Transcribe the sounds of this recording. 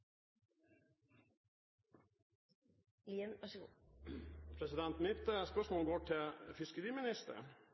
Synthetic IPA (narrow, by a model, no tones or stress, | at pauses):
liːənʋɑʂəɡṵː | pʰɾɛsɪd̪ɛnt̪mɪt̪ːəspœʂmoːlɡoːʈʰɪlfɪskəɾiːmɪnɪst̪ə̰ɾə̰n